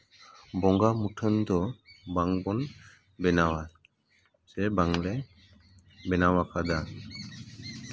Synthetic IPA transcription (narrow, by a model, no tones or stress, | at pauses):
bɔŋɡamuʈʰənd̪ɔbaŋbɔn | bɛnawa | sɛbaŋlɛ | bɛnawakʰad̪a